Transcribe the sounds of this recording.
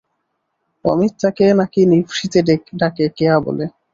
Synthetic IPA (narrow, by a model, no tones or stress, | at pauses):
ɔ̰mit̪ʃʰakenakinifʃit̪eɖekɖakekeabo̰le